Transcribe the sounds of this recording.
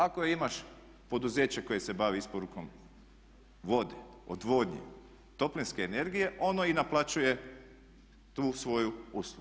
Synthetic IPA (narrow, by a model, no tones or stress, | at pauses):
akoimaʃ | po̞d̪uzeːt͡ɕeko̞jese̞baʋiispo̞ɾuko̞m | ʋo̞d̪eo̰d̪ʋo̞d̪ɲḛ | t̪o̞plinske̞ːne̞ɾɡije̞ʔo̞noinaplˠat͡ʃuje̞ | t̪uːsʋo̞juuːslˠuɡ